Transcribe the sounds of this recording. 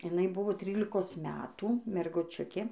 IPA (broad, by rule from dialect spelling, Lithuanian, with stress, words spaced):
ɪˈnɐɪ ˈbʊʋoː ˈtʲrʲiːlʲɪkoːs ˈmʲæːtuː mʲɛrɡʊˈt͡ʃʲʊkʲeː